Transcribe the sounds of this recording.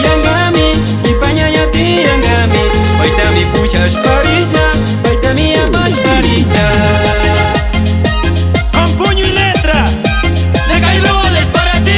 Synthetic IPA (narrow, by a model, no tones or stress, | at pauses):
jaŋɡamɪ | ipaɲaɲat̪i | jaŋɡami | pajt̪amipuʃaʃpaɾiʒa | pajt̪amiabaʃpaɾid͡ʒa | ampuɲʊilet̪ɾa | neɣajlolepaɾat̪i